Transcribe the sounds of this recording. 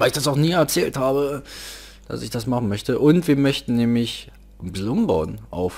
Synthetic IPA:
vaɪlɪçd̥as̬aʊxniːɛɐt͡sɛːlthaːbə | d̥a̰sɪçd̥asmaχn̩mœçtəʔʊntv̥iːɐmœçtn̩nɛːmlɪç | bzʊmba̰ʊnʔa̰ʊf

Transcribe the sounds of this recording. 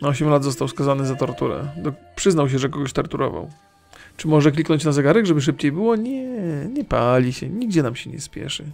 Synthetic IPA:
ɔɕɛmlad̪zɔst̪awskazanɘzat̪ɔɾt̪uɾɛ̰d̪ɔpʂɘznawɕ̬ɛʐɛkɔɡɔɕt̪ɔɾt̪uɾɔ̰va̰w | t͡ʂɘmɔʐɛklʲiknɔɲt͡ɕnazɛɡaɾɛɡʐɛbɘʂ̬ɘp̚t͡ɕejbɘwɔɲɛɲɛpalʲiɕɛɲiɡd͡ʑɛnamɕɛɲɛ̰spʲjɛ̰ʂɘ

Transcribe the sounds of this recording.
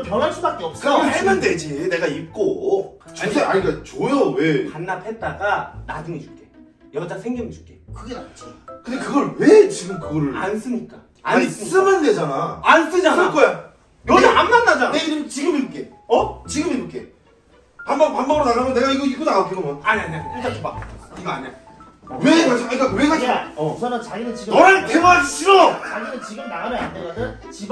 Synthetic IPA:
pjʌnɦaɭsʰudak̚t͈eʌp̚s͈ɯkʌemɯnde̞d͡ʑine̞ɡaip̚k͈ot͡ɕʰeaɲiɡat͡ɕojowepanːapʰe̞t̚t͈aɡanad͡ʑuŋet͡ɕu̥k͈e | jʌtasʰeŋɡimt͡ɕu̥k͈ekɯɡenat͡ɕ͈ʰikɯndekɯɡʌɭwet͡ɕiɡɯmkɯɡʌɭans͈ɯmɲik͈a | ansɯs͈ɯnɯnded͡ʑanaans͈ɯd͡ʑank͈ʰoja | joeanːandad͡ʑaneiɾɯmt͡ɕiɡɯmiɾok͈e̞ | ʌt͡ɕiɡɯmiɾuk͈ʰe̞̰ | pambapambaɡɯɾonaɣamjʌne̞ɡaiɡʌiɡonaokeɡʌmʌaɲiaɲakot͡ɕaɯbaiɡʌaɲa | wekasʰɯaik͈aweɡʰaaʌsʌnɯnt͡ɕaiɡɯt͡ɕinʌɾɯtɯŋad͡ʑiɕʰiɾʌaɡinɯt͡ɕiɡɯmnaɡaɾɯandeadɯn | t͡ɕi

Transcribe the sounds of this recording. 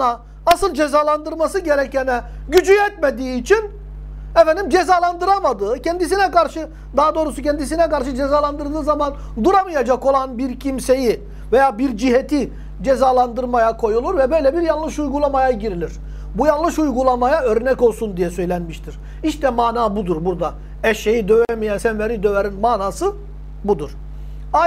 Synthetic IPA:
a | asɯlˠd͡ʒezaːlˠand̪ɯɾmasɯɟeɾɛcɛnɛ | ɟyd͡ʒyjɛt̪̚med̪iːt͡ʃʰin | ɛfɛnd̪imd͡ʒezaːlˠand̪ɯɾamad̪ɯːcʰɛnd̪isinɛkaɾʃɯ | d̪aɦad̪o̞ːɾusucʰɛnd̪is̬inɛkaɾʃ̬ɯd͡ʒezaːlˠand̪ɯɾd̪ɯːzaman | d̪uɾamɯjad͡ʒako̞lˠanbiɾcʰimse̞ji | vejaːbiɾd͡ʒiɦet̪ʰi | d͡ʒezaːlˠand̪ɯɾmajakʰo̞julˠuɾvɛbø̞jlʲɛbiɾjanlˠɯʃujɡulˠamajaɟiɾilʲiɾ̥ | bujanlˠɯʃujɡulˠamajaø̞ɾnɛco̞lˠsund̪ijɛsøjlʲænmiʃt̪ʰiɾ̥ | iʃt̪ʰɛmaːnaːbud̪uɾbuɾd̪a | ɛʃejid̪øvɛmijænsænveɾid̪øveɾinmaːnaːsɯ | bud̪uɾ̥ | a

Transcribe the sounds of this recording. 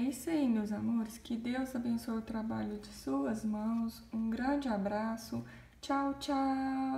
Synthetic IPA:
isejnʊzamoɾɪskɪd̪ewzabẽsojʊt̪ɾabaʎʊd͡ʒɪsuɐzmɐ̃w̃s | ũɡɾɐ̃d͡ʒɪabɾasʊ | t͡ʃawt͡ʃa

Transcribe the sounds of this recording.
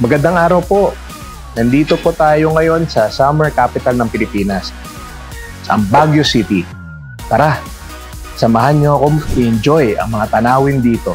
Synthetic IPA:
mɐɡɐnd̪aŋʔaːɾɐwpo̞ | nɐnd̪iːt̪o̞pot̪aːjo̞ŋɐjo̞nsɐsamɛɹkaːpɪt̪ɐlnɐŋpɪlɪpiːnɐs | sʔɐ̰ŋbaɡjosit̪i | paːɾa | sɐmɐɦanɲoɐkomɪʔɪnd͡ʒo̞jɐ̰ŋmɐŋat̪ɐnaːwɪnd̪iːt̪o̞

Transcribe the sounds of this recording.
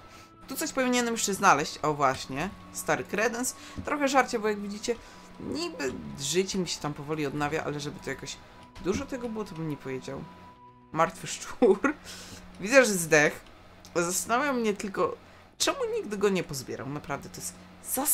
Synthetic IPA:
t̪ut̪sɔɕpɔvʲiɲɛnɛmjɛ̥ʂt͡ʂɛznalɛɕt͡ɕavwaɕɲɛ | st̪aɾɘkɾɛd̪ɛns | t̪ɾɔxɛʐaɾt͡ɕabɔjaɡvʲid͡ʑit͡ɕɛ | ɲibɘd̪ʐɘt͡ɕɛmʲiɕɛ̥t̪ampɔvɔlʲiɔd̪navʲja̰ʔa̰lɛʐɛbɘt̪ɔjakɔɕ | d̪uʐɔt̪ɛɡɔbɘwɔt̪ɔbɘmɲɛpɔvʲjed͡ʑa̰w | maɾt̪fɘʂt͡ʂuɾvʲizaʐɛzd̪ɛx | zast̪anavʲjawmɲɛt̪ɘlkɔ | t͡ʂɛmuɲiɡd̪ɘɡɔɲɛpɔzbʲjɛ̰ɾa̰wnapɾavd̪ɛt̪ɔjɛst̪za

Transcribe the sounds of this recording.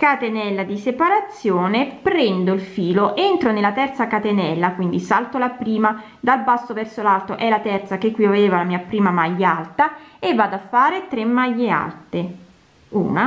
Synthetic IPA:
kat̪enɛlːad̪isepaɾat̪sːjoːnepɾɛnd̪oilfiːloʔent̪ɾonelːat̪ɛrt̪sakat̪enɛlːakwind̪isalt̪olapɾiːma | d̪albasːovɛrsolalt̪oʔɛlːat̪ɛrt̪sakekːwiaveːvalamiːapɾiːmamajːalt̪aevːad̪afːaːɾet̪ɾemːajːea̰lt̪e | ṵːna

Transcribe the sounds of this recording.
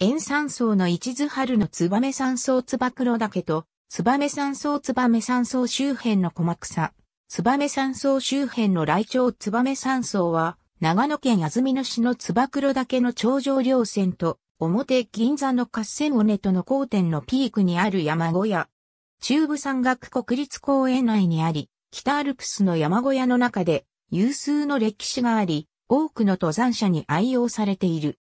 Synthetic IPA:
ẽ̞ɰ̃sãɰ̃so̞ːno̞it͡ɕizɨhaɾɯ̟no̞t͡sɨbame̞sãɰ̃so̞ːt͡sɨbakɯ̟ɾo̞d̪ake̞t̪o̞ | t͡sɨbame̞sãɰ̃so̞ːt͡sɨbame̞sãɰ̃so̞ːɕɨːhẽ̞nːo̞ko̞makɯ̟̥sa | t͡sɨbame̞sãɰ̃so̞ːɕɨːhẽ̞nːo̞ɾait͡ɕo̞ːt͡sɨbame̞sãɰ̃so̞ːβa | naɡano̞kẽ̞ɰ̃jazɨmʲino̞ɕino̞t͡sɨbakɯ̟ɾo̞d̪ake̞no̞t͡ɕo̞ːʑo̞ːɾʲo̞ːsẽ̞nt̪o̞ː | mo̞t̪e̞ɡ̥ʲĩnd͡zanːo̞kasːe̞mone̞t̪ono̞ko̞ːt̪ẽ̞nːo̞pʲiːkɯ̟ɲ̟iaɾɯ̟jamaɡo̞ja | t͡ɕɨːbɯ̟sãŋɡakɯ̟̥ko̞kɯ̟ɾʲit͡sɨ̥ko̞ːẽ̞naiɲ̟iaɾʲi | kʲi̥t̪aːɾɯ̟kɯ̟̥sɨno̞jamaɡo̞jano̞nakad̪e̞ | jɯːsɨːno̞ɾe̞kʲi̥ɕiɡaːɾʲi | o̞ːkɯ̟no̞t̪o̞zãɰ̃ɕaɲ̟iʔaijo̞ːsaɾe̞t̪e̞iɾɯ̟

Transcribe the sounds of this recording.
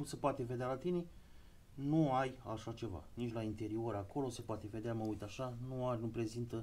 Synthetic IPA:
sepoat̪e̞ve̞d̪ealat̪ine | nuajaʃat͡ʃe̞va̰nit͡ʃʲlaint̪e̞ɾio̞ɾako̞lo̞sepoat̪e̞ved̪eaməujt̪aʃanuarʲnupɾe̞zint̪ə

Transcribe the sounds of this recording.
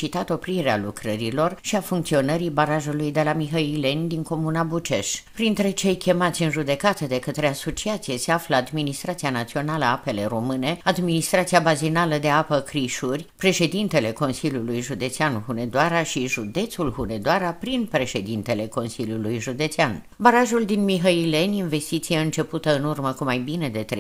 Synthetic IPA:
t͡ʃit̪at̪o̞pɾiɾealukɾəɾilo̞rʃiafuŋkt̪sio̞nəɾibaɾaʒulujd̪e̞lamiɦəile̞nʲd̪iŋko̞munabut͡ʃe̞ʃpɾint̪ɾe̞t͡ʃejkʲe̞mat̪sʲɨnʒud̪e̞kat̪əd̪e̞kət̪ɾe̞aso̞t͡ʃiat̪sije̞se̞afləad̪minist̪ɾat̪sianat̪sio̞naləape̞le̞ɾo̞mɨne̞ad̪minist̪ɾat̪siabazinaləd̪e̞apəkɾiʃurʲpɾe̞ʃe̞d̪int̪e̞le̞ko̞nsilʲjulujʒud̪e̞t̪seanhune̞d̪oaɾaʃiʒud̪e̞t̪sulhune̞d̪oaɾapɾinpɾe̞ʃe̞d̪int̪e̞le̞ko̞nsilʲjulujʒud̪e̞t̪sean | baɾaʒuld̪inmiɦəile̞nʲinve̞st̪it̪sijeɨnt͡ʃe̞put̪əɨnurməkumajbine̞d̪e̞t̪ɾe

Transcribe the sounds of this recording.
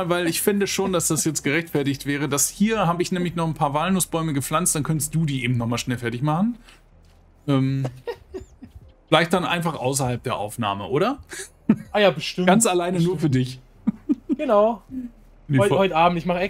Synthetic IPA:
avaɪlɪçfɪndəʃoːndasd̥asjɛt͡stɡ̥əʁɛçtfɛɐtɪçtv̥ɛːʁ̞ədashiːɐɦaːbəɪçnɛːmlɪçnɔχn̩pʰaːɐvaːlnʊsb̥ɔʏməɡəp͡fl̥ant͡std̥ankʰœntəstd̥uːdiːʔeːbm̩tnɔχmaːlʃnɛlfɛɐtɪçmaχn̩ | ʔɛːm | fɪlaɪçt̚d̥anʔa̰ɪnfaχʔa̰ʊsɐhalp̚d̥eːɐʔa̰ʊfna̰ːməʔoːɾɐ | aːjaːbəʃtɪɡ̥ant͡salaɪnənuːɐfyːɐdɪç | ɡ̥ənaʊ | ihɔʏtaːbm̩tɪçmaχəɛ

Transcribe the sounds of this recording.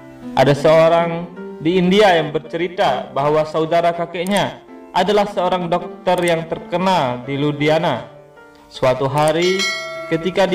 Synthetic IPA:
ʔa̰dasəoɾaŋdiːndiajaŋbərt͡ʃəɾit̪abaɦwasaudaɾakakeʔɲaʔadalahsəoɾaŋdɔk̚t̪ərjaŋt̪ərkənaldiludiana | səwat̪uɦaɾikət̪ikad

